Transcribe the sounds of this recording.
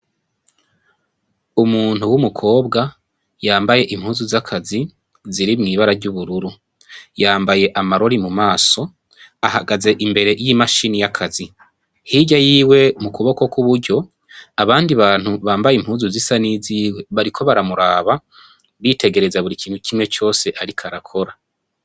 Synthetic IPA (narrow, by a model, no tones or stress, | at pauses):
umuːn̥huwumukʰo̞ːbɡa | jaːmbaje̞ʔimhuːzuzakʰazi | ziɾimŋiːβaɾaɾɟuβuɾuɾu | jaːmbaje̞ʔamaɾo̞ɾimumaːso̞ | ahaɡaze̞ʔimbe̞ɾe̞jimaʃinijakʰazi | hiːɟajiːwe̞mukuβo̞ko̞kuβuɾɟo̞ | aβaːndiβaːn̥huβaːmbajim̥huːnzuzisaniziːwe̞βaɾikʰo̞βaɾamuɾaːβa | βite̞ɡe̞ɾe̞zaβuɾikiːn̥hukimŋe̞t͡ʃo̞ːse̞ʔaɾikʰaɾakʰo̞ɾa